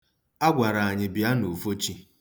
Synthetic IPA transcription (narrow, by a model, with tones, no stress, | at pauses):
a˦ɡʷa˨ɾa˨a˨ɲɪ˨bja˦nu˨fo˦t͡ʃi˦